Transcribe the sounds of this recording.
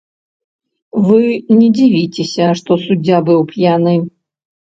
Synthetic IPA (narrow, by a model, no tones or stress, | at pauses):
vɨnʲɛd͡zʲivʲit͡sʲesʲɐʂt̪ɔsud͡zʲːabɨwpjanɨ